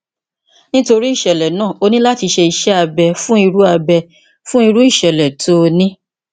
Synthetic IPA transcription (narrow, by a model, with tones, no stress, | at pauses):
nĩ˦to˧ɾi˦i˦˨ʃɛ˨lɛ˨nãː˦˨o˧nĩ˦la˦ti˧ʃe˧i˧ʃɛ˦a˧bɛ˧fũ˦i˧ɾu˦a˧bɛ˧ | fũ˦i˧ɾu˦i˦˨ʃɛ˨lɛ˨to˦˧nĩ˦